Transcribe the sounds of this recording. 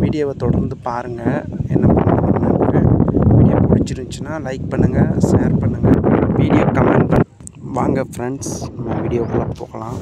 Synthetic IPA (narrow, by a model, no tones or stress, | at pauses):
ʋiːɽɪjoːʋɐt̪ɔɽɐɾnd̪ɯpaːɾɯŋɡɐɛnːɐpɐɳːɐɾɐnɐkːɯʋiːɽɪjoːʋɐt͡ʃːɪɾɯɲt͡ʃɯnːaːlɐɪk̚pɐɳːɯŋɡɐseːɾpɐɳːɯŋɡɐʋiːɽɪjoːkɐmeːɳɖ̚pɐɳ | ʋaːŋɡɐfɾɛɳɖsnɐmːɐʋiːɽɪjoːkɐɭɐpoːkɐlãː